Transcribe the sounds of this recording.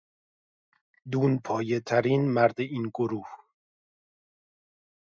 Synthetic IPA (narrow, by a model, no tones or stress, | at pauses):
d̪uːnpʰɒːjet̪ʰæɾiːnmæɾd̪eʔiːnɡoɾuːh